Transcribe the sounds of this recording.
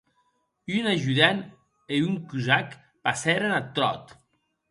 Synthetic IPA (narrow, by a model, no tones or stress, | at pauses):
ynaʒuðɛn | euŋkuzak | pasɛɾenat̪ɾɔ̰t̪